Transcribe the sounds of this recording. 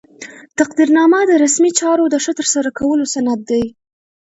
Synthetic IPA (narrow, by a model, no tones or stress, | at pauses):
t̪aqd̪iɾnɑməd̪əɾasmit͡ʃɑɾod̪əʂət̪əɾsaɾakawəlosanad̪̚ːaj